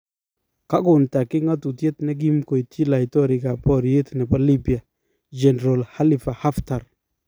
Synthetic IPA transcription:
ka˦ɡʊ˨nta˨kɪ˦ŋa˦tu˨te˦tnɛ˦ɡ̬i˦mko˨jtʰi˦la˨jtɔ˦ɾɪ˨ɡa˨pɔ˦ɾje˦tnɛ˨pa˦li˦bi˨a˨ | d͡ʒɛ˨n˨ɾo˨lha˦li˨fa˨ha˦fta˨ɾ

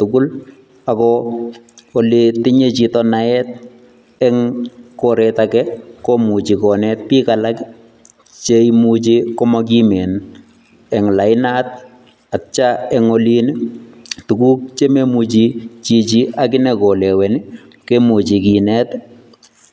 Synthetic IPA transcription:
tʊkʊ˦l | a˨kɔ | oliti˦ɲe˦t͡ʃitɔnaɛt̚ | ɛŋkoɾɛtakɛkomu˨t͡ʃi˨kɔ˨nɛt̚pi˦kalak | t͡ʃe˦imut͡ʃi˦kɔ˦mɔk̬i˦me˨n | ɛ˨ŋla˨ɪ˦na˦t | a˨t͡ʃa˦ɛŋoli˦nitu˨ku˦k̚t͡ʃe˦me˦mu˨t͡ʃit͡ʃi˨t͡ʃi˦ʔakɪ˦nɛkɔ˨lɛ˨wɛ˨nɪ˦ | ke˦mu˨t͡ʃi˨ki˨nɛt

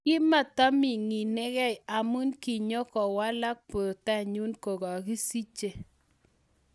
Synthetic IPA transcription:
kɪ˦ma˨ta˦mɪ˨ŋi˨ne˦ɣɛ˦ja˨mu˦nki˨ɲo˦kɔ˨wa˦la˦k̚po˨ta˦˨ɲu˦nko˨ɡɔ˨ki˦si˦t͡ʃe˨

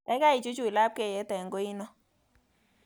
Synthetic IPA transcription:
ɛ˦ka˦i˨t͡ʃu˦t͡ʃu˦i˨la˦p̚ke˦˨jɛ˨˦tɛ˨ŋɡo˦i˦nɔ˦

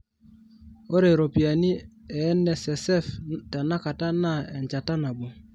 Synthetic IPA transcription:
o˦ɾe˨ɾo˨pi˨a˨ni˦ɛ˨˦nɛ˨sɛ˨sɛ˦fta˨na˦ka˨ta˦na˦˨ɛ˨ɲt͡ʃa˨ta˦na˨bo˨

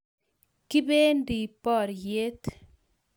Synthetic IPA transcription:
kɪ˦be˦ndi˨pɔ˦˨ɾje˦t̪

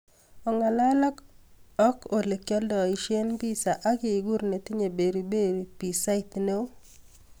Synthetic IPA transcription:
ɔ˨ŋa˨la˦la˦kɔ˦ko˨le˨kjɔ˦ldɔ˨i˨ʃje˦nbi˦sa˨ʔa˦ɡɪ˦ɪ˨ɡu˦ɾne˨t̪ɪ˦ɲe˨be˨ɾu˨be˦ɾi˨pi˨sa˦ɪ˦t̪ne˦o˦

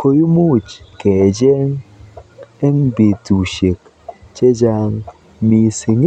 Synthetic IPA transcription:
ko˦ju˦mu˦˨t͡ʃkɛ˨d͡ʒɛ˦ŋ | e˦m˦be˨tu˨ʃe˨k̚ | t͡ʃe˦d͡ʒa˦ŋ | mi˨si˨ŋ˦

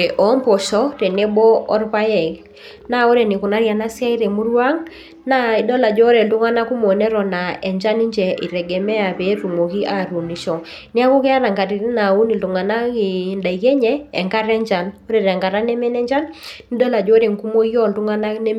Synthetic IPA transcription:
e˨ʔɔ˨˦mpɔ˨ʃɔ˦ɾe˨ne˦bɔ˦ɔ˦rpa˦jɛ˨ | na˦o˦ɾe˨ni˨ku˨na˦ɾja˨na˦sa˦i˦ɾe˨mu˦rwa˦ŋ | na˦i˦dɔ˦la˨d͡ʒɔ˦ɾe˨tu˦ŋa˦na˦ku˦mɔ˨nɛ˦ɾɔ˨na˨ɛ˨ɲd͡ʒa˦ni˦ɲd͡ʒɛ˨ʔi˨ɾɛ˨ɡɛ˨mɛ˦a˨pɛ˨˦ɾu˨mo˨ki˦ʔa˨ɾu˨ni˨ʃɔ˨ | nɪ˦a˦kɔ˦kɛ˦a˦ɾa˨ŋɡa˨ɾi˨ɾi˦na˨u˦ni˨ltu˨ŋa˨na˦ki˨nda˨i˨kɛ˦ɲɛː˦˨ŋɡa˦ɾɛ˦ɲd͡ʒa˨no˦ɾe˨ɾɛ˨ŋɡa˨ɾa˦nɛ˦mɛ˦nɛ˦ɲd͡ʒa˦nni˦dɔ˦la˨d͡ʒɔ˦ɾe˨ŋku˦mo˦jɔ˦˨ltu˦ŋa˦na˦nɛ˦

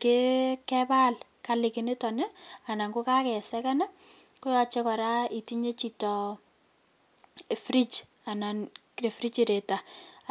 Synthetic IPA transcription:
ke˦kɛ˦ba˦l | ka˨li˨kɪ˨ne˦tɔ˨nɛ˦a˨na˨ŋɡo˦ka˦kɛ˨sɛka˦na˦ | kʊ˦jɔ˨t͡ʃe˦kɔ˨ɾa˦i˨ti˦ɲe˦t͡ʃi˨tɔ˨ | fɾi˦t͡ʃa˨na˨nkre˨fɾi˦t͡ʃiɾe˨ta˨

